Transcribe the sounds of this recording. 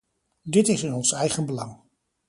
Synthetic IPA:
dɪtɪsɪnɔnsɛjχənbəlɑŋ

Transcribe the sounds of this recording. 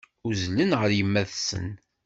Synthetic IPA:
ʊzlənʁəɾjəmːæðsə̰n

